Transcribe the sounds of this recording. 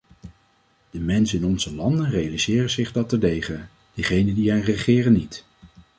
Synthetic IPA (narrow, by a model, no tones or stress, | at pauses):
d̥əmɛnsənɪnɔnzəlɑndənrejalizɪːrəzɪχdɑtədejχə | d̥əχejnədiɦəjnrəχɪːrənit